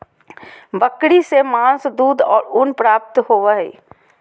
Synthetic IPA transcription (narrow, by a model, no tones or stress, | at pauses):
bəkɽisemãːnsd̪uːd̪ɔ̰ːɾʊnpɾaːp̚t̪ɦoʋəɦɛ̰ː